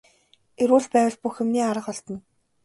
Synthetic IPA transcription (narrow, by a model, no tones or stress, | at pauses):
eɾwuːɮpæːwə̆ɮpuxemniːaɾə̆χɔɬt̪ɞ̆n